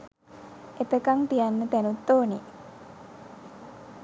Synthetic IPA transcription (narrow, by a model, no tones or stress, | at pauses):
ep̪ekaŋt̪ijanːət̪ænut̪ːoːni